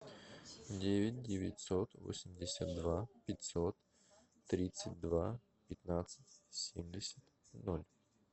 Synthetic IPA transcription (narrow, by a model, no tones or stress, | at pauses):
dʲevʲɪt̚ʲdʲɪvʲɪ̰tʲsot̪vo̰sʲɪmʲdʲɪsʲat̪̚d̪vapʲɪtʲsot̪ː | ɾʲit̪sɨt̚ʲd̪va | pʲɪt̪nat̪sɨ̥t̚ʲsʲemʲdʲɪsʲət̪ | nolʲ